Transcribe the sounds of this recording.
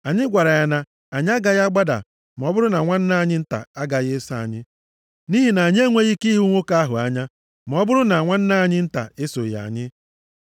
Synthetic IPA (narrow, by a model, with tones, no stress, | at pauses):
a˨ɲɪ˦ɡʷa˨ɾa˨ja˨na˨ | a˨ɲɪ˦a˦ɡa˦ɣa˦ɡ͡ba˦da̰˨ | ma˨ɔ˦bʊ˦ɾʊ˦na˨ŋʷa˦n̩˦na˦a˨ɲɪ˦n̩˦ta̰˨a˦ɡa˨ɣɪ˦sa˦a̰˨ɲɪ˦ | ni˦ɦi˨na˨a˨ɲ˦e˦ŋʷe˦ɣi˦ki˦ɦu˦ŋʷo˦ka˦ɦʊ̰˨a˦ɲa˦ | m˨ɔ˦bʊ˦ɾʊ˦na˨ŋʷa˦n̩˦na˦a˨ɲɪ˦n̩˦ta̰˨ɪ˦so˨ja̰˨ɲɪ˦